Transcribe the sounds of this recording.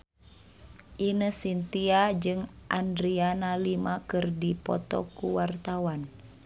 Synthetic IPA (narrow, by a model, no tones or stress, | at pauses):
ʔinəsint̪iad͡ʒɨŋʔandɾianalimakɨrdipɔ̰t̪ɔ̰kuwart̪awan